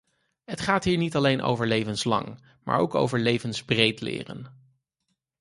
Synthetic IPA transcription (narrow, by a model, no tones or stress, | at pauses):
ɦətχaːtɦiːɹnitɑlejnʔo̰wvəɹlejvənslɑ̰ŋ | ma̰ːɹo̰wko̰wvəɹlejvənzbrejtlɪ̰ːrə̰n